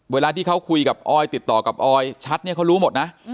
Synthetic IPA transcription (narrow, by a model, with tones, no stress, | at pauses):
weː˧laː˧t̪ʰiː˥˩kʰa˦˥wkʰu˧jka˨˩p̚ʔɔː˧jt̪i˨˩t̪ːɔː˨˩ka˨˩p̚ʔɔː˧jt͡ɕʰa˦˥t̪̚ni˥˩ɐkʰwɾuː˦˥mo˨˩t̪̚na˦˥ʔ